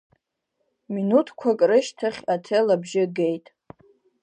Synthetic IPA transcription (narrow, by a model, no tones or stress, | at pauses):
minutʰkʷʰakʼrɨʃtʰaχʲatʰelabʒɪɡejtʼ